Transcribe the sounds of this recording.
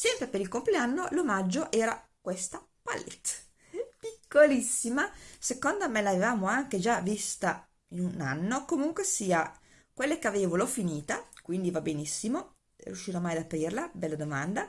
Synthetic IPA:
sɛmpɾepeɾilkompleanːolomad͡ʒːoʔɛːɾakwest̪a | pa̰lːḛt̪ː | pikːolisːimasekond̪oamelavevaːmoaŋk̟ed͡ʒavist̪a | inunanːokomuŋkwesiːa | kwelːekeaveːvolɔfiniːt̪akwind̪ivabenisːimo | rjuʃːiːɾomajad̪apɾiːrlabɛlːad̪omand̪a

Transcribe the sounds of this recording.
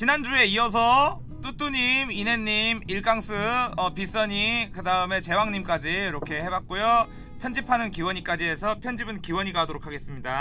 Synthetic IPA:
t͡ɕinand͡ʑue̞iʌs̬ʰʌ | t͈ut͈uɲimine̞ɲːimiɭɡaŋs͈ʰɯʌpis͈ʌɲikɯdaɯme̞t͡ɕe̞waŋɲimk͈ad͡ʑijoɾʌkʰe̞he̞bak̚k͈ujo | pʰjʌnd͡ʑipʰanɯnkiwʌɲik͈ad͡ʑiɦe̞sʰʌpʰjʌnd͡ʑibɯnkiwʌɲiɡaɦadoɾokʰaɡe̞s͈ɯmɲida

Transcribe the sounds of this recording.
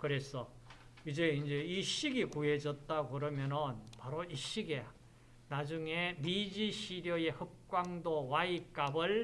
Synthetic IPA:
kɯɾe̞sʰʌ | id͡ʑe̞ind͡ʑe̞iɕiɡikue̞d͡ʑʌt̚t͈aɡokɯɾʌmjʌnɯnpaɾoiɕ͈iɡe | nad͡ʑuŋemid͡ʑiɕʰiɾjʌe̞hɯp̚k͈waŋdowaik͈abɯɭ

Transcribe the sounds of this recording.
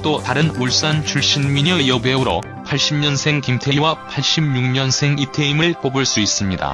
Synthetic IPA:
t͈otaɾɯnuɭs͈ant͡ɕʰuɭɕ͈inmiɲʌjʌbwe̞uɾo̰ | pʰaɭɕ͈imɲʌnsʰe̞ŋkimtʰeiwapʰaɭɕ͈imɲuŋɲʌnsʰe̞ŋitʰe̞imɯɭkobuɭs͈uis͈ɯmɲida̰

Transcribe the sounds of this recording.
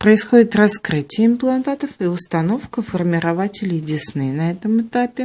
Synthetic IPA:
pɾəɪsxo̞dʲɪt̪rɐskɾɨtʲɪjəɪmplˠɐnt̪at̪əfiʊst̪ɐno̞fkəfərmʲɪɾɐvatʲɪlʲɪdʲɪsnɨnɐɛt̪əmɨt̪apʲɪ

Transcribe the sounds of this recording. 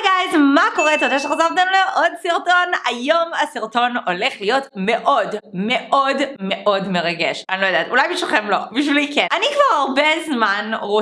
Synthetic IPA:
ɡaezmako̞ʁet̪od̪eʃeχotavt̪emleʔod̪siʁto̞najo̞masiʁto̞no̞leχlijo̞tme̞ʔo̞dme̞ʔodmeʔo̞dme̞ʁaɡeʃanilojd̪aːtulajbiʃvilχemlo̞biʃvilikenanikvaʁaʁbezmanʁo

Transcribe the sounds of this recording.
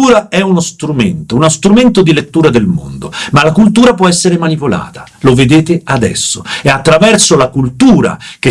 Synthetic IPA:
uːɾaɛunost̪ɾument̪ounost̪ɾument̪od̪ilet̪ːuːɾad̪elmo̰nd̪omalakult̪̬uːɾapwɔɛsːeɾemanipola̰ːt̪ḁ | loved̪eːt̪ead̪ɛ̰sːoeat̪ːɾavɛrsolakult̪uːɾa̰k̟e

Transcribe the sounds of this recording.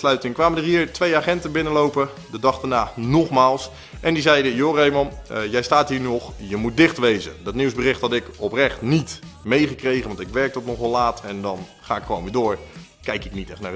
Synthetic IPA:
slœɥtɪŋkʋaːmədərɦiːɹtʋejaːχɛntəbɪnəlowpə | dədɑχdaɹnaːnɔχmaːlˠs | ʔɛndizɛjdəjoːrejmɔnjɛjstaːtɦiːɹnnɔχjəmut̚dɪχtʋejzə̰dɑtniwzbərɪχthɑtɪkɔprɛχtnitmejχəkrejχənʋɑntɪkʋɛɹk̚tɔtnɔχʋɑlaːtɛndɑn | χaːɪkχəʋownʋɪːdʊːɹ | kɛjkɪknitɛχtnaː

